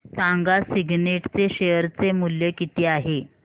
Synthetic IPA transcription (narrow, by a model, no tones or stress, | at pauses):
sãŋɡasiɡneʈt͡seɕejəɾt͡semuljekit̪iːaɦe